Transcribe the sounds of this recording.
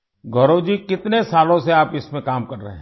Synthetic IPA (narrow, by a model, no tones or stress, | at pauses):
ɡʱoːɾod͡ʒikɪt̪nesaːlõseaːpɪsmẽkaːmkɐɾːɐɦeɦ